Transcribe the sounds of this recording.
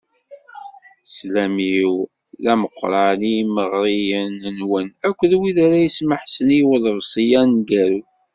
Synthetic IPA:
slæmiw | ðæməqːɾˤɑniməʁɾijənənwənækʷːðwiðaɾæjəsməħsəniwələvsˤijænɡæɾu

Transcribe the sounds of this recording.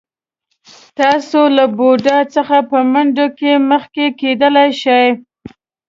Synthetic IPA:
t̪ɑsolaboɖɑt͡səxapəmaɳɖokeməxkeked̪əlajʃəj

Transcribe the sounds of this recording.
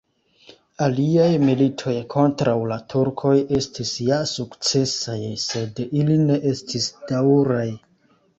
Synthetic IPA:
aliajmilitʰo̞jkʰo̞ntɾawlatʰuɾkʰo̞je̞stʰisjasukt͡se̞sajse̞diline̞ʔe̞stʰisd̥awɾaj

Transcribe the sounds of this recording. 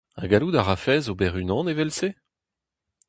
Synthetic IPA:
a̰ɡalud̪aʁafɛːzobɛʁynɑ̃nevɛlse

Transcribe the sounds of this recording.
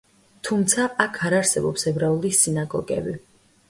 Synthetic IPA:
t̪ʰumt̪sʰaʔakʰaɾaɾsɛbɔpsɛbɾaulˠisinaɡɔ̰ɡɛ̰bi

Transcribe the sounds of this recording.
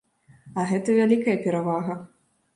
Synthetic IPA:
ɐɣɛt̪ɐvʲalʲikɐjɐpʲɛɾavaɣɐ

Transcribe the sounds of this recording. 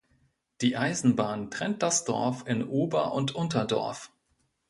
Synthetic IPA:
d̥iːʔaɪzn̩baːntʁ̥ɛnt̚d̥asd̥ɔ̰ɐfɪnʔuːbɐʔʊntʔʊntɐdɔ̰ɐf

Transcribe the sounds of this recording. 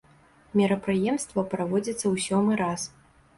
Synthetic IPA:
mʲɛɾɐpɾɨjɛmst̪vɐpɾavɔd͡zʲit̪sːɐwsʲɔmɨɾas

